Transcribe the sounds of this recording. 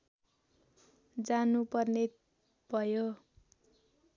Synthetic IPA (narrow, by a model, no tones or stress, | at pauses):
d͡zanupʌrne | b̥ʱʌjo